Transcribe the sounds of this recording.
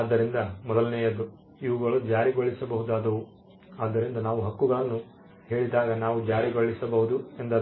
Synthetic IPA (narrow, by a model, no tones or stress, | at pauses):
aːd̪ːɐɾind̪ɐmɔd̪ɐlnɛːjɐd̪ːu | iʋuɡɐɭud͡ʒaːɾiɡoɭisɐbɐɦud̪aːd̪ɐʋu | aːd̪ːɐɾind̪ɐnaːʋuɦɐkːuɡɐɭɐnːu | he̞ːɭid̪aːɡɐnaːʋud͡ʒaːɾiɡoɭisɐbɐɦud̪ue̞nd̪ɐ